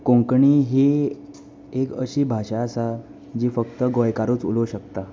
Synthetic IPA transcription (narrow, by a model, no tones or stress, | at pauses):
kõŋkɳiːɦe | ekə̰ɕiːbʱaɕaasa | d͡ʑiːfəkt̪əɡojkaɾuːt͡sṵloɕəkt̪a